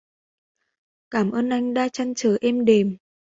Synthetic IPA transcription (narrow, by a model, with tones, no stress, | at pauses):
kaː˧˩mʔəː˧nʔa˧jŋ̟ɗaː˧t͡ɕa˧nt͡ɕəː˨˩ʔɛ˧mɗe˨˩m